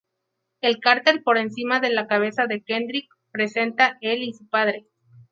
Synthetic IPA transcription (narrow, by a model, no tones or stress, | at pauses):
elkaɾt̪e̞lpo̞ɾe̞nsimaðe̞lakaβ̞e̞saðe̞kend̪ɾik̚ | pɾe̞se̞nt̪ae̞lisupaðɾe̞